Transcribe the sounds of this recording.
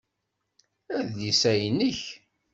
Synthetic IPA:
æðisæjnəç

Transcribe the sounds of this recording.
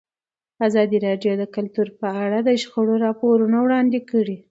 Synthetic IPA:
azɑd̪iɾɑɖjod̪əkʊlt̪uɾpəaɽad̪əʃxəɽoɾɑpoɾunawɽɑnd̪ekəɽi

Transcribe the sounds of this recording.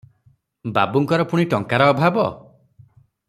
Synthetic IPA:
ba̰buŋkɔɾɔpuɽ̃iʈɔŋkaɾɔːbʱabɔ

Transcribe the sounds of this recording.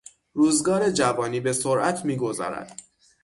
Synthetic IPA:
ɾuːzɡɒːɾe̞d͡ʒævɒːniːbe̞soɾʔæt̪ʰmiːɡo̞zɒ̰ːɾæ̰d̪̥

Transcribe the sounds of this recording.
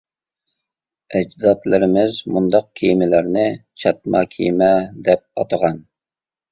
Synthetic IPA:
ɛd͡ʒd̪ɑt̪lɪɾɪmɪzmund̪ɑq̚kʲʰijmɪlæɾnɪt͡ʃʰɑt̪̚mɑkʲʰḭjmɛd̪ɛp̚ɑ̰t̪əʁɑn

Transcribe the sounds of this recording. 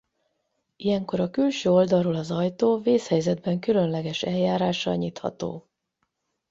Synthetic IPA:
ijɛŋko̞ɾɒkylʃøːo̞ld̪ɒrːoːlɒzɒjt̪oːveːshɛjzɛd̪̚bɛŋkylø̞nlɛɡɛʃɛljːaːɾaːʃɒ̰ɲit̪hɒ̰t̪o̰ː

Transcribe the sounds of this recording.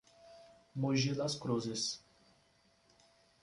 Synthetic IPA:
muʒid̪ɐskɾuzɪs

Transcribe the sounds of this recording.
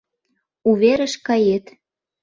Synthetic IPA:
uβeɾə̆ʃkɑjet̪

